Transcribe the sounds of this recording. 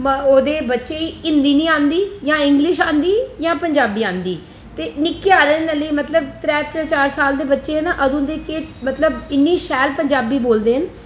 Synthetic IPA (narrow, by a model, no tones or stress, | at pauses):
oːd̪eːbətːʃeːiɪnd̪iːnĩːãːnd̪iːjãːɪŋɡlɪʃãːnd̪iːjãːpəɲd͡ʒaːbiːãːnd̪iː | t̪eːnɪkːeaːɾeːnəliːmət̪ləb̚t̪ɾɛːt̪ɾɛ̃ːt͡ʃaːɾsaːld̪eːbətːʃeːɦnãːʔəd̪õːnd̪eːkeːʈmət̪ləbɪnːiːʃɛːlpəɲd͡ʒaːbiːboːld̪eːɦən